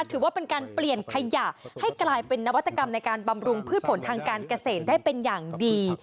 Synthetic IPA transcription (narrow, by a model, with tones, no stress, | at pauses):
a˥˩t̪ʰɯː˩˦waː˥˩pe˧nkaː˧npli˨˩ənkʰa˧ja˨˩ha˥˩jklaː˧jpe˧nːa˦˥wa˦˥t̪ːa˧ka˧mna˧jkaː˧nba˧mɾu˧ŋpʰɯː˥˩t̪̚pʰo˩˦nt̪ʰaː˧ŋkaː˧nka˧seː˨˩t̪̚daː˥˩jpe˧njaː˨˩ŋdiː˧